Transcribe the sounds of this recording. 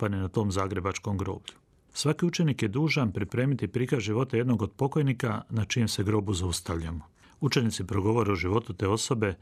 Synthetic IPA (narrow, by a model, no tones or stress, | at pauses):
paninat̪o̞ːmzaːɡɾe̞bat͡ʃko̞mɡɾo̞̰ːbʎu | sʋakiut͡ʃe̞nikje̞d̪uːʒanpɾipɾe̞ːmit̪ipɾikaʒiʋo̞t̪aje̞d̪no̞ɡod̪̚po̞ko̞jnikanat͡ʃimse̞ɡɾo̞ːbuzaust̪aʋʎamo | ut͡ʃe̞nit̪sipɾo̞ɡo̞ʋo̞ɾeoʒiʋo̞t̪ut̪e̞ːo̞so̞be̞